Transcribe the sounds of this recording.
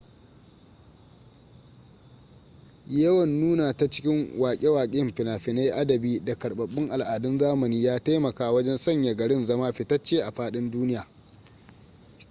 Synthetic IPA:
jɐ˦wɐ˨nːuː˦naː˨ta˦t͡ʃɪ̥˦kʲɪ˦ŋwaː˨kʲʼe˦waː˨kʲʼːmɸɪ˨naː˨ɸɪ˨na˦jʔa˦dɐ˨biː˦da˨kɐ˨ɽɓɐ˨ɓːɪ˦ŋʔa˨lʔaː˨dʊ˦nzaː˦mɐ˨niː˦jaː˦ta˦jmɐ˨kaː˨wɐ˦d͡ʒɛ˦nsɐ˦˨ɲja˨ɡɐ˨ɽɪ˦nzɐ˦maː˦ɸɪ˨tɐ˦t͡ʃːeː˦ʔa˨ɸaː˦ɗɪ˦nduː˦nɪ˦jaː˨

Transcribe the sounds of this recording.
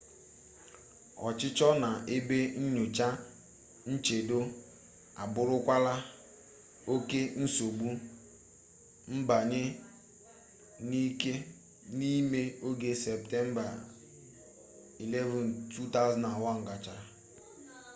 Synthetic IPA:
ɔ̰˨t͡ʃɪ˦t͡ʃɔ˦na˨ʔe˦be˦ɲ̩˦ɲʊ˨t͡ʃa˦ | n̩˦t͡ʃe˨do˦ | a˨bʊ˨ɾʊ˦kʷa˦la˦ | o˦ke˦n̩˦so˨ɡ͡bu˦ | m̩˦ba˨ɲɪ˦ | ni˦ke˦ | ni˦me˦o˦ɡe˦sɛ˨p̚tɛ˦m̩˦ba˨ | i˨le˦vu˨n˨tʰu˦ta˦zna˨wɔ˦ŋ̩˨ɡa˨t͡ʃa˦

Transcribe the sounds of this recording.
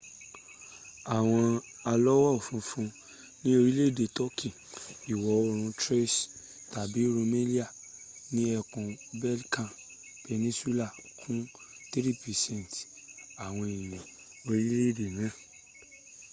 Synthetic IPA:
a˨w̃ɔ̃˧ | a˧lɔ˦wɔ˦˨fũ˨˧˦fũ˧ | nĩ˦o˧ɾi˦le˦˨de˨tɔ˦ki˦˨i˨wɔ˨˦o˧ɾ̃ũ˧tɾe˦s | ta˨bi˨˦ɾo˧me˦li˦a˦˨ | nĩ˦ɛ˧kũ˧bɛ˦lkã˦˨ | b̥e˧nĩ˦swi˦la˦˨ | kʰũ˦ | te˦ɾi˦˨pi˨sɛ̃˦˨t | a˨w̃ɔ̃˧i˨nĩ˨ | o˧ɾi˦le˦˨de˨mɛ̃˨˦˨

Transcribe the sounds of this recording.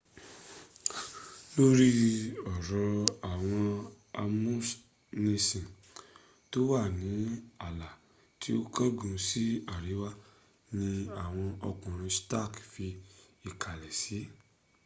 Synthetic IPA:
lo˦ɾi˦ɔ˨ɾɔ̃˧a˨w̃ɔ̃˧ | a˧mũ˦s | nẽ˧sĩ˨ | to˦wa˦˨nĩ˨˦a˦˨la˨ | ti˨˦o˦kɔ˦ɡũ˧si˦a˦˨ɾi˨˦wa˦ | nĩ˧a˨w̃ɔ̃˧ɔ˧kɔ̃˨ɾ̃ĩ˧sta˦˨kfi˧ | i˨kʰa˨lɛ˨si˨˦

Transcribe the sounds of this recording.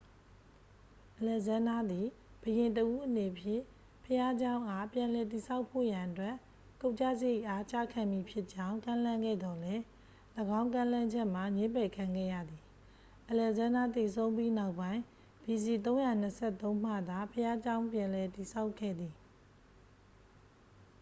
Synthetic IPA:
ʔəlɛ˨zã˦na˦d̪i˨ | b̥əjɪ̃˨nt̬əʔu˦ʔəne˨pʰjɪ̰̃˦˨ | pʰəja˦d͡ʑã˦ʊ̃ʔa˦˨pjã˨lɛ˨t̬i˨sʰa˦ʊpʰːo̰˦˨jã˨ʔətwɛ˦ʔ | ko˦˨t͡ɕa̰˦˨zə˦je˦˨ʔa˦t͡ɕa̰˦˨kʰã˨mi˨pʰjɪ˦ʔt͡ɕã˦ʊ̃ŋkã˦˨lã˦ŋɡɛ̰˦˨d̪ɔ˨lɛ˦ | ləɡã˦ʊ̃ŋkã˦lã˦ɲd͡ʑɛ˦ʔm̥a˨ɲẽ˦pɛ˨kʰã˨ŋɡɛ̰˦˨jä̰˦˨d̪i˨ | ʔəlɛ˨zã˦nda˦t̪e˨sʰõ˦ʊ̃mpi˦na˦ʊpːã˦ɪ̃ | bi˨si˨t̪̬õ˦ʊ̃ja˨n̥əsʰɛ˦˨t̪õ˦ʊ̃m̥ä̰˦˨d̪a˨pʰəja˦d͡ʑã˦ʊ̃pjã˨lɛ˨ti˨sʰa˦ʊkʰːɛ̰˦˨d̪ði˨

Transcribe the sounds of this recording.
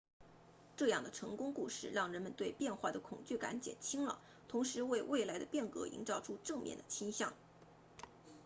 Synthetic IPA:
ʈ͡ʂɤ˥˧jɑ˥˩ŋd̪ə˩ʈ͡ʂʰɤ˧˥ŋkʊ˥ŋku˥˧ʂɻ̩˥˩ɻɑ˥˩ŋɻə˧˥nmə˧nt̪we˥˧ɪpjɛ˥˧nxwa˥˩d̪ə˩kʰʊ˨˩ŋt͡ɕy˥˩ka̰˧˥nt͡ɕjɛ̰˨˩nt͡ɕʰi˥ŋlə̰˨ | t̪ʰʊ˧˥ŋʂɻ̩˧˥we˥˧ɪwe˥˩ɪla˧˥ɪd̪ə˧pjɛ˥˩nkɤ̰˧˥ḭ˧˥ŋʈ͡ʂɑ˥ʊʈ͡ʂʰu˥ʈ͡ʂɤ˥˧ŋmjɛ̰˥˩nd̪ə˩t͡ɕʰi˥ŋɕjɑ̰˥˩ŋ

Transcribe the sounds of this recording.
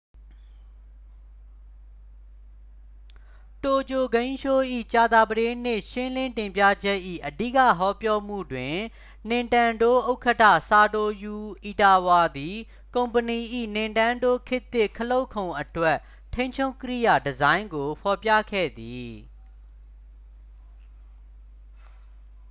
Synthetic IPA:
to˨t͡ɕo˨ɡẽ˦ɪ̃ʃo˦ʔḭ˦˨t͡ɕa˨d̪a˨bəɾɪ̃˦n̥ɪ˦˨ʃɪ̃˦lɪ̃˦ntɪ̃˨mpja̰˦˨d͡ʑɛ˦ʔḭ˦˨ʔədi˦˨kä̰˦˨ɦɔ˦pjɔ˦m̥ṵ˦˨dwɪ̃˨ | n̥ɪ̃˨ntã˨ndo˦ʔo˦ʊkʰə˦tʰa̰˦˨sa˨do˨ju˨ʔi˨ta˨wa˨d̪i˨ | kõ˨ʊ̃mpəni˨ʔḭ˦˨nɪ̃˨ntã˦ndo˦˨kʰɪ˦t̪ːɪ˦˨kʰəlo˦ʊʔkʰõ˨ʊ̃ʔətwɛ˦˨ʔ | tʰẽ˦ɪ̃ɲt͡ɕʰo˦kə˦ɾḭ˦˨ja˨dəzã˦ɪ̃ŋɡo˨pʰɔ˨pja̰˦˨kʰɛ̰˦˨d̪i˨

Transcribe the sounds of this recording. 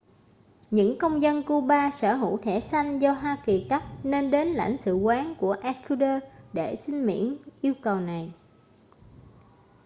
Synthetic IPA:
ɲɨ̰˧˥ŋkə˧wŋ͡mzə˧nku˧ɓaː˧səː˧˩ɦṵ˧˩˨t̪ʰɛ˧˩sa˧jŋ̟zɔ˧ɦwaː˧ki˨˩ka˦˥p̚ne˧nɗe˨˦nla̰˧˩jŋ̟sɨ̰˧˨kwaː˨˦nku˧˩əʔa˧kʰu˧ɗəː˧ɗe˧˩sï˧ŋ̟mḭ˧˥ənʔi˧əwkə˨˩wna˨˩j

